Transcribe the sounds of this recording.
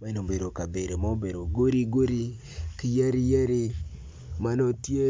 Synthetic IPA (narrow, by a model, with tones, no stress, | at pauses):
ma˦ɛ˦no˨be˨ɾo˨ka˨be˨ɾo˨ma˦o˦be˨ɾo˨ɡo˦ɾi˦ɡo˦ɾi˦ | ki˦jɛ˦ɾi˦jɛ˦ɾɪ˦ | ma˦nɔ˦tje˦